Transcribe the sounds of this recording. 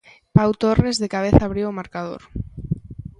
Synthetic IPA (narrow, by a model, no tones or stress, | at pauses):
pawt̪orezðekaβ̞eθaːβɾiwomaɾkað̞o̰ɾ